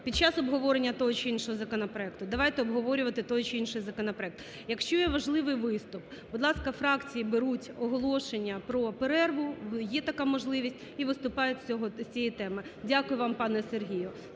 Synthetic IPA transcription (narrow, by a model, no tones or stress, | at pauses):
pʲid̪̚t͡ʃɑsɔbɦɔʋɔɾenʲːɐt̪ɔɦɔt͡ʃɪinʃɔɦɔzɐkɔnɐpɾɔɛkt̪ʊd̪ɐʋɑjt̪ɛɔbɦɔʋɔɾʲʊʋɐt̪ɪt̪ɔɦɔt͡ʃɪinʃɪjzɐkɔnɐpɾɔɛk̚t̪ | jɐkʃt͡ʃɔjɛʋɐʒlˠɪʋɪjʋɪst̪ʊp̚bʊd̪lˠɑskɐfɾɑkt͡sʲijibeɾutʲɔɦɔlˠɔʃenʲːɐpɾɔpeɾɛrʋʊjɛt̪ɐkamɔʒlˠɪʋʲisʲtʲiʋɪst̪ʊpɑjɛt͡sʲɔɦɔsʲt͡sʲijit̪ɛmɪdʲakʊjʊʋɑmpɑnɛserɦʲijʊ